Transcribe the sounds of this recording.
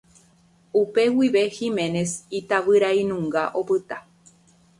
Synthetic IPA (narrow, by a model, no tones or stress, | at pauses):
upe̞wiʋe̞himẽ̞ne̞sit̪aʋɨɾainũŋɡaʔo̞pɨt̪a